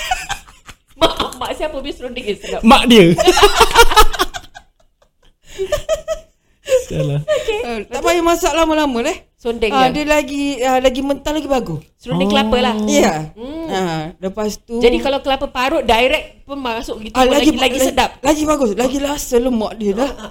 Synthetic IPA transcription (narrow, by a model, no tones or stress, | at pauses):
maʔmaʔsiapəbiəsɾundɪəsədapmaʔdiə | alaoket̪aʔpajamasaʔlaməlaməleh | sondɛŋadiəlaɡiəlaɡimənt̪alaɡibaɡʊssɾundɪklapəlahijaaləpast̪ud͡ʒadikalawkəlapəpaɾʊʔ̚dajɾɛk̚punmasʊʔɡit̪alaɡilaɡisədap̚laɡibaɡʊslaɡilasəlomːaʔdiəlah